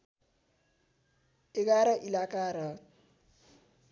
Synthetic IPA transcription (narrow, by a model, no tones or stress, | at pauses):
eɡaɾʌʔilakaɾʌ